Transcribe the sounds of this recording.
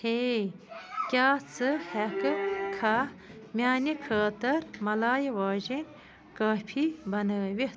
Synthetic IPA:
he | kʲaːt͡sʰɨhɐkɨkʰamʲaːnikʰaːt̪ɐɾmɐlaːjewaːʑinʲ | kaːpʰibɐnəʋit̪

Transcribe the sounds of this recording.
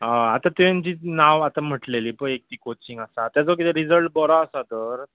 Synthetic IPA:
əat̪ãt̪end͡ʑiːnaʋat̪am̤əʈleliːpəek̚t̪iːkot͡ɕĩŋɡasat̪jat͡sɔkit̪ɛɾid͡zəlʈ̚bɔɾaəsat̪əɾ

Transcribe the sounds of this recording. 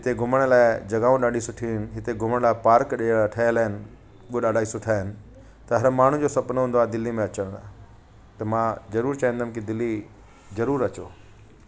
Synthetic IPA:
ɦɪt̪eɡʱʊməɽ̃laːɪd͡ʑɐɡaːũɗaːɖʱisʊʈʰiɪnɪ̆ɦɪt̪eɡʱʊməɽ̃laːɪpaːɾkɗeʈʰɐlaːɪnɪ̆ | uoɗaːɖʱaːisʊʈʰaːɦɪnɪ̆ | t̪ɐɦɐɾmaːɳ̤ũd͡ʑoːsɐpnɦũːnd̪oaːd̪ɪlːimẽɐt͡ɕəɽ̃d̪aː | t̪ɐmãzɐɾuːɾt͡ɕaːĩnd̪amkid̪ɪlːi | zɐɾuːɾɐt͡ɕo̰ː

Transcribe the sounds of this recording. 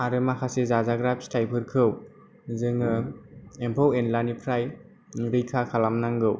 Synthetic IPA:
aɾɯmakʰasezazaɡɾap̚stʰajpʰɯɾkʰɯw | zɯŋɯempʰowenlanipʰɾaj | ɾɯjkʰakʰalamnaŋɡɯw

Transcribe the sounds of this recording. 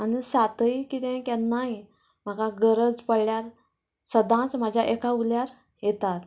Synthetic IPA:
anisat̪əjikit̪ɛ̃kjanːaɦi | m̤akaɡəɾəd͡zpəɽɭjaɾ | səd̪ãt͡sm̤ad͡ʑʱjaʔekʰauljaɾ | jet̪at̪

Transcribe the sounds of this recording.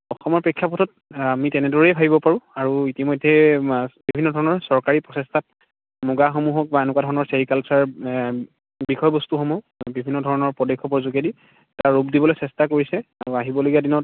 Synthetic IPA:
ɔxɔmɔɹpɹekʰːjapɔtʰɔt̚ | amitɛnɛdɔɹɛjbʱabibɔpaɹũaɹuitimɔjdʱːɛbibbʱinːɔdʱɔɹɔnɔɹsɔɹkaɹipɹɔsɛstʰat̚ | mɔɡaxomuɦɔk̚baenʊkwadʱɔɹɔnɔɹseɹikalsaɹ | bixɔjɔbɔstuxɔmu | bibʱinːɔdʱɔɹɔnɔɹpɔdekʰːɔpɔzukedi | taɹɹupdibɔlojsɛstakoɹisɛaɹuaɦibɔloɡiadinɔt

